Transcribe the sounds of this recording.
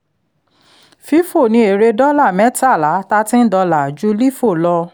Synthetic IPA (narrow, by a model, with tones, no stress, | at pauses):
fi˦fo˦˨nĩ˧˦e˨ɾe˧dɔ˦la˦˨mɛ̃˨˦ta˦˨la˨˦ta˦tĩ˦n̩˦dɔ˧la˨d͡ʒu˦li˦fo˦˨lɔ˧